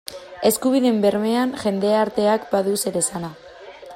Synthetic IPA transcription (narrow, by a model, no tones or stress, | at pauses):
e̞skuβ̞iðembe̞ɾme̞anʝe̞nd̪e̞aɾt̪e̞akbaðuse̞ɾe̞sana